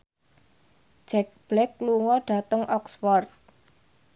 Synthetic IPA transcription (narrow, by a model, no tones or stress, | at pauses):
d͡ʒ̥ɛk̚b̥lɛk̚luŋɔɖ̥a̤t̪əŋʔɔksfɔrt̪